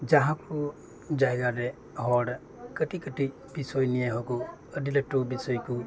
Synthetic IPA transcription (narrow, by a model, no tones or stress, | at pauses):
d͡ʒaɦãku | d͡ʒajɡaɾɛ | ɦɔɽ | kəʈikəʈi | bisɔjnijaɦɔkɔədiləʈːubisɔjku